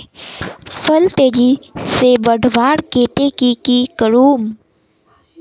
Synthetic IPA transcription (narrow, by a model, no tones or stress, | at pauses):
fʰəlt̪eːd͡ʒisebəɖʱʋaːɾkeːʈekikikəɾuːm